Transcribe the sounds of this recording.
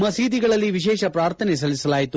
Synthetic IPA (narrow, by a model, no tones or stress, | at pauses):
mɐsiːd̪iɡɐɭɐlːiʋiʃɛːʃɐpɾaːɾt̪ʰɐnes̬ɐlisɐlaːjit̪u